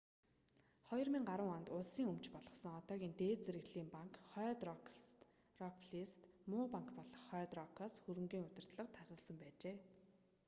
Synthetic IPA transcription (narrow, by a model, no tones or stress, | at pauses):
χɔjɞ̆rmiŋɢaɾwə̆ŋɔnt̪ʊɮsiːŋɵmt͡ɕpɔɮɞ̆sɞ̆ŋɔt̪ɔːɣʲiːnt̪eːt͡seɾɘ̆ɣɮiːmpaŋkχœːt̪ | rɔkpʰɮist̪mʊːpaŋkpɔɮɞ̆χːœːt̪rɔkʰɔːsxɵɾɘ̆ŋɡiːŋʊt̪ɪ̆rt̪ɮə̆qt̪ʰasə̆ɮsə̆mpæːt͡ɕeː